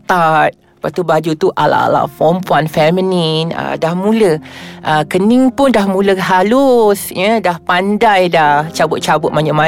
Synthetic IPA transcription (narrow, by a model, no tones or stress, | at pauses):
t̪at̪̚ | pat̪ubad͡ʒut̪uʔa̰la̰ʔa̰la̰ʔfɔmpuanfɛmininə̰dahmũləʔəkəniŋpʊndahmũləɦalʊsjədahpandajdaht͡ʃabʊt̪̚t͡ʃabʊt̪ʔ̚maɲəma